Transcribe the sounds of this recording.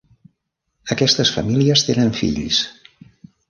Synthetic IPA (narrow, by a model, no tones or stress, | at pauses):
əkɛst̪əsfə̰miliəst̪enəɱfḭʎs